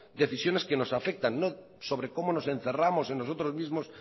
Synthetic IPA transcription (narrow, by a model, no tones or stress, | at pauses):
d̪e̞θisjo̞ne̞ske̞no̞safe̞k̚t̪anːo | so̞βɾeko̞mo̞no̞se̞n̟θe̞ramo̞senːos̬o̞t̪ɾo̞zmizmo̞s